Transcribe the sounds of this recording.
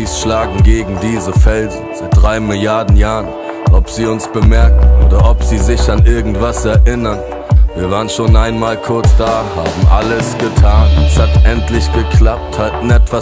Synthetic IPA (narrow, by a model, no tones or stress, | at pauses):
iːsʃlaːɡŋ̩ɡeːɡŋ̩diːzəfɛlzn̩z̥aɪt̚d̥ʁaɪmɪljaɐdn̩jaːʁən | ʔɔpz̥iːʊnsb̥əmɛɐkŋ̩oːdɐʔɔpz̥iːzɪçanʔɪɐɡŋ̩tv̥asɛɐʔɪnɐn | viːɐvaːʁənʃoːnʔaɪnmaːlkʰʊɐt͡sd̥aːhaːbm̩ʔaləsɡ̥ətʰaːnɛshatʔɛntlɪçɡ̥əkʰlap̚thatnɛtv̥a